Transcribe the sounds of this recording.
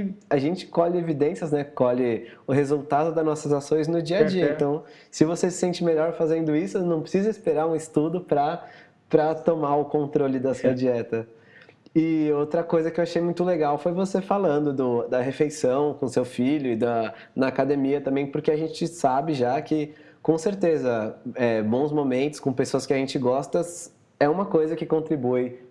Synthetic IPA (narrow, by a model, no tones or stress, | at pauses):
aʒẽnt͡ʃɪ̥kɔʎɪevid̪ẽsiɐznɛkɔʎɪ | ʊɦezuwt̪ad̪ʊd̪ɐnɔsɐzasõj̃znʊd͡ʒiɐd͡ʒiɐẽt̪ɐ̃w̃ | sɪvosesɪ̥sẽnt͡ʃɪmeʎɔɾfazẽnd̪ʊisʊnɐ̃w̃pɾɪ̥sizɐispeɾaɾũɪst̪ud̪ʊpɾɐ | pɾɐt̪omaʊkõnt̪ɾolɪd̪ɐsuɐd͡ʒiɛt̪ɐ | ɪowt̪ɾɐkojzɐkɪewaʃejmũj̃t̪ʊleɡawfojvosefalɐ̃nd̪ʊd̪ʊd̪ɐɦefejsɐ̃w̃kõsewfiʎʊɪd̪ɐ | nɐːkad̪emiɐt̪ɐ̃mbẽj̃pʊɾkeaʒẽnt͡ʃɪsabɪʒakɪ | kõseɾt̪ezɐɛbõw̃zmomẽnt̪ʊ̥skõpesoɐskɪaʒẽnt͡ʃɪɡɔst̪ɐs | ɛũmɐkojzɐkɪkõnt̪ɾibuɪ